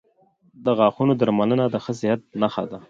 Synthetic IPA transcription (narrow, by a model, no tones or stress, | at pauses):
d̪əɣɑxunod̪aɾmalənad̪əxəs̬ɪhat̪̚naxa̰d̪a